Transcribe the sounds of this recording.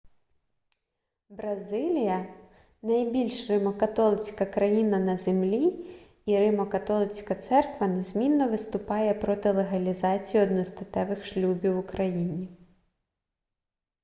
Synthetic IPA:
bɾɐzɪlʲijɐ | nɐjbʲilʲʃrɪmɔkɐt̪ɔlˠɪt͡sʲkɐkɾɐjinɐnɐzemlʲi | iɾɪmɔkɐt̪ɔlˠɪt͡sʲkɐt̪sɛrkʋɐnezmʲinːɔʋɪst̪ʊpɑjɛpɾɔt̪ɪlˠeɦɐlʲizɑt͡sʲijiɔd̪nɔst̪ɐt̪ɛʋɪxʃlʲubʲiwʊkɾɐjinʲi

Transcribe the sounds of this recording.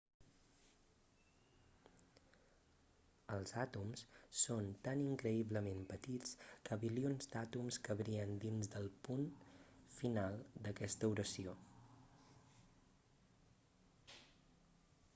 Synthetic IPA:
əlˠzat̪umssont̪aniŋkɾəiβləmempət̪it͡skəβilionzd̪at̪umskəβɾiənd̪inzd̪əlˠpunfinalˠd̪əkɛst̪əuɾəsio

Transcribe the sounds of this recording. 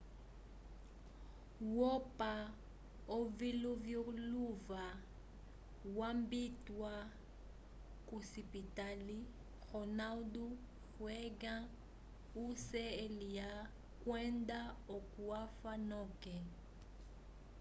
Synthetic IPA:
wɔpʼa | oviluvjoluva | wambitwa | kʼusipitali | ɣɔnaldu | ɣwɛɡã | usɛelija | kwɛndaokuafanɔkɛ

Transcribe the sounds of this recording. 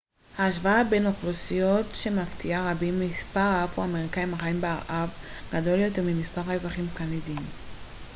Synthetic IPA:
haːʃvaabenoχlusijo̞tʃe̞maftʰiaʁabimispaʁaafhuameʁikaimhaχaimbeaʁʔav | ɡado̞ljo̞teʁmimispaʁhaezaχimkanidim

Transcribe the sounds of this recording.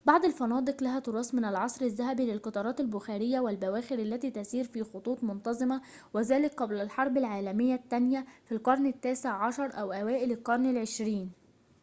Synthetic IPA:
bɑʕd̪ˤalfɑnɑːd̪ˤɨqlaɦæt̪ʊɾˤɑːsmɪnalʕɑsˤɾɪzːaɦæbiːlɪlqɑt̪ˤɑːɾˤɑːt̪albʊxæːɾɪjːawɪlbæwæːxɪɾalːæt̪iːt̪asiːɾfiːxot̪ˤuːt̪ˤmʊnt̪ɑzˤɨma | wɪzæːlɪkqɑblalħɑɾˤbɪlʕaːlæmɪjːat̪ːænjafilqɑɾˤnɪt̪ːæːseʕʕɑʃɑɾˤʔæwʔæwæːʔɪlɪlqɑɾˤnɪlʕeʃɾiːn

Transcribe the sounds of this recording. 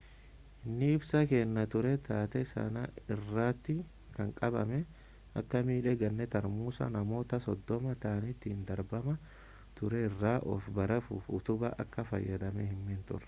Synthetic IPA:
ʔɪnːɪɪbsɐkeːnːɐt̪ʊɾɛt̪ʰaːt̪ɛsɐ̰nɐɪrːaːt̪ːɪ | kɐŋkʼɐbɐmɛ | ʔɐ̰kːɐmiːᶑɛɡɐnːɛt̪ɐɾmuːsɐ̰nɐmo̞ːt̪ɐsɔd̪ːɔmɐt̪aːnɪt̪ːɪnd̪ɐɾbɐmɐ | t̪ʊɾɛɪrːaːʔɔ̰fbɐɾɐfṵːfʊt̪ʊbɐʔɐ̰kːɐfɐ̰jːɐd̪ɐmɛhɪmːent̪ʊ̰r

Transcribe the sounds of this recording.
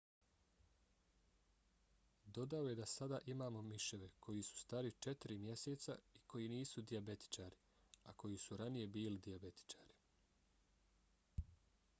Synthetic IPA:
d̪o̞d̪ao̞je̞d̪asad̪aʔimaːmo̞miʃe̞ʋe̞kʰo̞jisu̥st̪aɾit͡ʃe̞t̪iɾimje̞seːt̪sa̰iko̞jiniːsud̪iabe̞t̪i̥t͡ʃaːɾi | ako̞jisuɾanije̞biːlid̪iabe̞t̪i̥t͡ʃaːɾi̥

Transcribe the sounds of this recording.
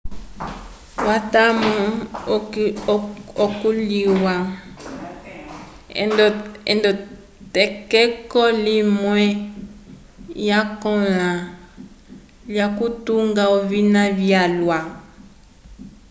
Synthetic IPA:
watamɔ | ɔkuliwa | ndɔɛ̰ndɔ | tɛkɛkɔlimwɛ | jakɔ̃la | ljakutuŋɡaovinãvjalwa

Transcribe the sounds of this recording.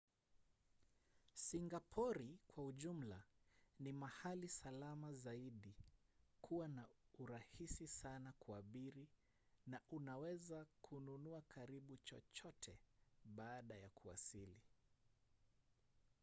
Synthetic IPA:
siŋɡapʰɔɾikwauʄum̩lanimahalisalamazaiɗi | kʰuwanauɾahisisanakuaɓiɾi | naʔunawɛzakʰununuakʰaɾiɓut͡ʃɔ̰t͡ʃɔtʰɛɓaːɗajakʰua̰sili

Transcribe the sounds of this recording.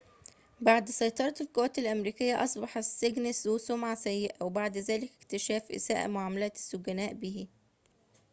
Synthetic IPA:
baʕd̪sɑjt̪ˤɑɾˤɑt̪elkoːt̪elʔæmɾiːkɪjːæʔɑsˤbɑħɑsːeɡnesusomʕasæjːeʔæwebaʕd̪zæːlɪkekt̪eʃæːfʔɪ̰sæ̰ːʔmoʕaːmælæːt̪sːoɡænæːʔbihi

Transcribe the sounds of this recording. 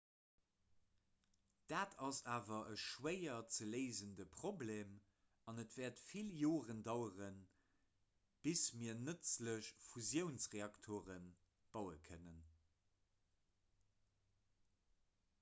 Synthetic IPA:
d̥aːtʰɑsaːvɐʔəʃwəɪɐt͡səleɪzəndəpʁ̥obleːm | ɑnətv̥ɛːɐtfiljoːʁəndɑʊəʁən | b̥ismiːɐnət͡sləɕfuzjəʊnsʁeɑktʰoːʁən | b̥ɑʊəkʰənən

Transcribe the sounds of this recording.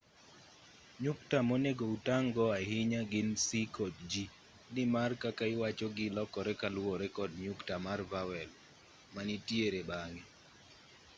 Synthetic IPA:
ɲuk̚tamɔneɡoutaŋɡɔaɦɪɲaɡɪnsikɔtd͡ʒi | nɪmarkakaɪwat͡ʃɔɡɪlɔkɔɾɛkalwɔɾɛkɔd̚ɲʊktamarvawɛl | manitjeɾebaŋɡi

